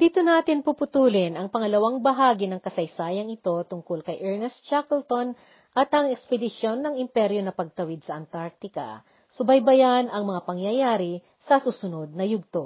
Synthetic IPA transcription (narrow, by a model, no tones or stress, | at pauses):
d̪iːt̪onaːt̪ɪnpupʊt̪uːlɪnʔɐŋpɐŋɐlɐwaŋbɐɦaːɡɪnɐŋkɐsɐjsaːjɐŋɪt̪o̞t̪ʊŋkolkɐjʔɛɹnɛst̪t͡ʃakɛlt̪o̞n | ʔɐt̪ɐŋɛkspɛd̪ɪʃo̞nːɐŋɪmpɛɾjo̞nɐpɐɡ̚t̪ɐwɪd̪̚sɐʔɐnt̪aɾk̚t̪ɪkɐ̰ | sʊbɐjbɐjanɐŋmɐŋapɐŋjɐjaːɾɪ | sɐsusʊno̞d̪̚nɐjʊɡ̚t̪o